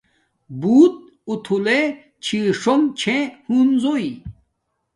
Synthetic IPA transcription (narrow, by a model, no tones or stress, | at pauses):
buːt̪̚ | ut̪ʰule | t͡ɕʰiʂomt͡ɕʰẽhunzoi